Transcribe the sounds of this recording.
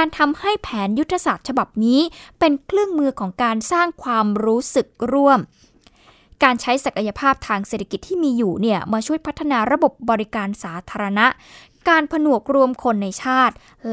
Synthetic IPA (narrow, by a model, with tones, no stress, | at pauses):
kaː˧nt̪ʰa˧mha˥˩jpʰɛː˩˦nju˦˥t̪ʰːa˧saː˨˩t̪̚t͡ɕʰa˧ba˨˩p̚niː˦˥pe˧nkʰlɯ˥˩əŋmɯː˧kʰɔː˩˦ŋkaː˧nsaː˥˩ŋkʰwaː˧mɾuː˦˥sɯ˨˩k̚ɾu˥˩əm | kaː˧nt͡ɕʰa˦˥jsa˨˩ka˧ja˧pʰaː˥˩p̚t̪ʰaː˧ŋse˨˩t̪ʰa˧ki˨˩t̪ʰːiː˥˩miː˧juː˨˩ni˥˩əmaː˧t͡ɕʰu˥˩əjpʰa˦˥t̪ʰːa˧naː˧ɾa˧bo˨˩p̚bɔː˧ɾi˦˥kaː˧nsaː˩˦t̪ʰaː˧ɾa˧na˦˥ʔ | kaː˧npʰa˧nu˨˩ək̚ɾu˧əmkʰo˧nːa˧jt͡ɕʰaː˥˩t̪̚ | l